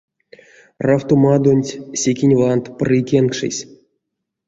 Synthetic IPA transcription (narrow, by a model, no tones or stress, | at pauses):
raft̪omad̪onʲtʲsʲekʲinʲvant̪prɨkʲenkʂɨ̰sʲ